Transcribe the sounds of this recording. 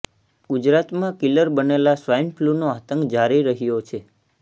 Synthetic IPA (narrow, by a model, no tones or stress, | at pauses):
ɡud͡ʒɾat̪mãkiləɾbənelasʋajnpʰlunoat̪əŋɡd͡ʒaɾiɾəɦijot͡ʃʰe